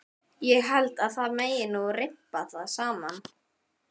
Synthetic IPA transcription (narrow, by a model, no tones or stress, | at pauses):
jɛɣɦɛlt̪aðθaðmeːjɪnːɔɣrɪpːaθaðsaːman